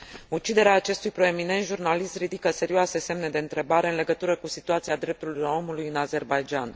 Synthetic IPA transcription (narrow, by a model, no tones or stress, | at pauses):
ut͡ʃid̪e̞ɾeaːt͡ʃe̞st̪ujpɾo̞e̞mine̞nt̪ʒurnalist̪ɾid̪ikəse̞ɾioase̞se̞mne̞d̪e̞ɨnt̪ɾe̞baɾe̞ɨnle̞ɡət̪uɾəkusit̪uat̪siad̪ɾe̞p̚t̪ulujo̞mulujɨnaze̞rbajd͡ʒan